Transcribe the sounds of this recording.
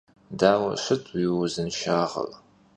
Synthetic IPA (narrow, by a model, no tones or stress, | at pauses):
daːwɐ̰ɕʷɨtʰʼwiwʊzɨnʃaːʁɐ̰l